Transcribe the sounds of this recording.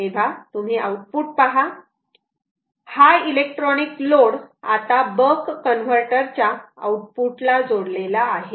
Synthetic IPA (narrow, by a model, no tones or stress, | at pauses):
eʋ̤at̪um̤iʔauʈ̚puːʈ̚paɦa | hajilek̚ʈɾɔnikloɽa̰t̪abəkːənʋ̤əɾʈəɾt͡ɕjaa̰uʈ̚puʈlad͡zoɽlelaːɦe